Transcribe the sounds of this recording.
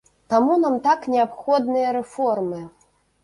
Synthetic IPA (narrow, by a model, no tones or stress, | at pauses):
t̪amunamt̪aknʲɛapxɔd̪̚nɨjɐɾɛfɔrmɨ